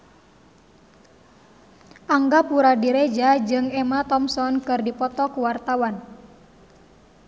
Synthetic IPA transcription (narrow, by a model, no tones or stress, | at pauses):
ʔaŋɡapuɾadiɾed͡ʒad͡ʒɨŋɛmat̪ɔmsɔnkɨrdipɔt̪ɔkuwart̪awan